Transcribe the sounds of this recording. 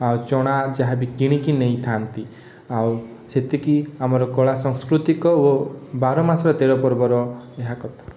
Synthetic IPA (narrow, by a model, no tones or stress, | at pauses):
awt͡ʃɔɽ̃ad͡ʒaɦabikiɽ̃ikineĩt̪ʰant̪i | aw | set̪ikiamɔɾɔkɔɭasɔŋskɾut̪ikɔobaɾɔmasɔɾɔt̪eɾɔpɔɾbɔɾɔeɦakɔt̪ʰḁ